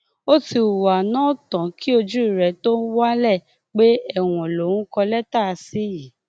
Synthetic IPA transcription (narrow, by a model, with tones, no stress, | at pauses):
o˦ti˧u˨wa˨nãː˦tã˨ki˦o˧d͡ʒu˦i˦˨ɾɛ˧to˦n̩˦wa˦lɛ˦˨ | k͡pe˦ɛ˦˨w̃ɔ̃˨lo˨ũ˦kɔ˧lɛ˦ta˦˧si˦ji˨˦